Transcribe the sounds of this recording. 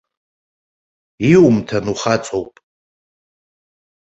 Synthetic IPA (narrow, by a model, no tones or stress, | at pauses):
iwumtʰanuχat͡sʼowpʼ